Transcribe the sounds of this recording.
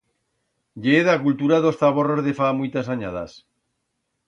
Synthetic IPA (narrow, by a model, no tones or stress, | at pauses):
ʎeðakult̪uɾaðo̞sθaβoro̞zðefamujt̪asaɲaða̰s